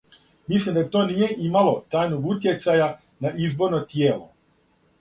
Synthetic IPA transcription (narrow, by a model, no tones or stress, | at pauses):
mislimd̪at̪o̞nije̞ʔimalo̞t̪ajnoɡut̪je̞t̪saja | naʔizbo̞ɾnot̪jeːlo̞̰